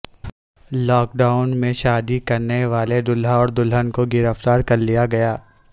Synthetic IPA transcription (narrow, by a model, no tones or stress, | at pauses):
lɔːk̚ɖaːʊnmẽʃaːd̪ikɐɾneʋaːled̪ʊlɦaɔːɾd̪ʊlɦənkoɡɪɾəft̪aːɾkɐɾlijaɡɐjaː